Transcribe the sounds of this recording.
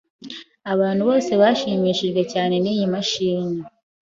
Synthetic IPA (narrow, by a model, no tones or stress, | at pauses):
aβaːn̥huβo̞ːse̞βaʃiːmiːʃiʒɡwe̞caːne̞niːjimaʃiːɲi